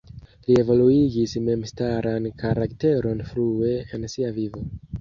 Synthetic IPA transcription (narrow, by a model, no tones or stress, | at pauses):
lie̞vo̞luiɡisme̞mstaɾankaɾakte̞ɾo̞nfɾue̞ensiavivo̞